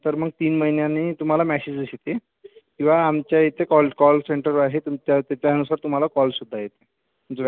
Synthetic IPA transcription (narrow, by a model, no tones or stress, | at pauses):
t̪əɾməɡ̚t̪iːnməɦinjanet̪um̤alamæsed͡ʑəɕet̪e | kĩw̃ʋaːmt͡ɕjajet̪ekɔlkɔlseɳʈəɾaɦet̪umt͡ɕjat̪jat͡ɕjaənusaɾt̪um̤alakɔlsud̪ʱːajet̪e̥ | məɡd͡ʑe